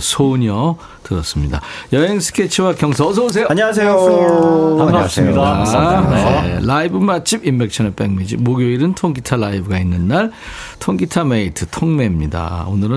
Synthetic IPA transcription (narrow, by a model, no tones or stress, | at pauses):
sʰoɲʌ | tɯɾʌs͈ɯmɲida̰jʌɦeŋsʰɯ̥kʰet͡ɕʰiwakjʌŋsʰʌːs̬ʰʌos̬ʰe̞joɲas̬ʰejo | idanelaibɯmat͡ɕ͈ʰibimbek̚t͡ɕɕʰʌnep͈eŋmid͡ʑimoɡjoiɾɯntʰoŋɡitʰaɭaibɯɡainːɯnːaɭ | tʰoŋɡitʰameitʰɯ̥tʰoŋme̞mɲida̰onɯɾɯ